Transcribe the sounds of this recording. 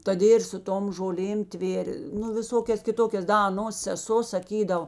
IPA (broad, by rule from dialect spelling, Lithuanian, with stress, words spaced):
toːˈdʲeː ɪr sʊ ˈtoːm ʒoːˈlʲeːm ˈtʲʋʲeːrʲ nʊ ʋʲɪˈsoːkʲɛs kʲɪˈtoːkʲɛs ˈdɐ ɐˈnoːs sʲɛˈsoː sɐˈkʲiːdɐʋoː